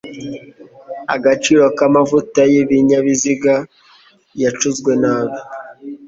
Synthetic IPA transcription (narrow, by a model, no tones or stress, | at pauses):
a̰ɡat͡ʃiːɾo̞kamavutajiβiɲaβiziɡa | jat͡ʃuzɡwe̞naːβo